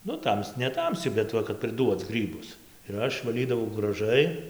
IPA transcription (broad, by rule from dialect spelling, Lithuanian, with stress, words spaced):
ˈnʊ ˈtɐms nʲɛˈtɐmʲsʲɪ bʲɛt ˈʋɐ kɐt pʲrʲɪˈduɔt͡s ˈɡrʲiːbʊs ɪr ˈɐʃ ʋɐˈlʲiːdɐʋɐʊ ɡrɐˈʒɐɪ